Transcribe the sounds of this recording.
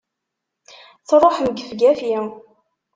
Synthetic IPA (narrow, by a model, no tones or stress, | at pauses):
θɾˤoħmɡəfɡæfjɪ